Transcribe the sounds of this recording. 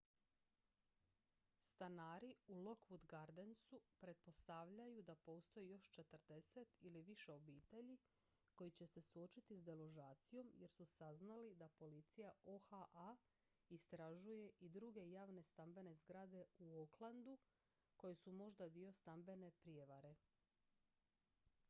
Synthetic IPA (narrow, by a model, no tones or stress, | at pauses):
st̪anaːɾiulo̞kʋud̪ɡaɾd̪ensupɾe̞t̪̚po̞st̪aʋʎajud̪apo̞ːst̪o̞jijo̞ʃt͡ʃe̞t̪əɾd̪e̞se̞t̪iliʋiʃe̞o̞biːt̪e̞ʎi | ko̞jit͡ɕe̞se̞suo̞t͡ʃit̪izd̪eloʒaːt̪sijo̞mje̞ɾsusaznalid̪apo̞lit̪sijaoxaʔa | ist̪ɾaʒuje̞ʔid̪ɾuɡe̞jaːʋne̞st̪ambe̞ne̞zɡɾaːd̪e̞uoklˠand̪u | ko̞jesumo̞ʒd̪ad̪io̞st̪ambe̞ne̞pɾije̞ʋaɾe̞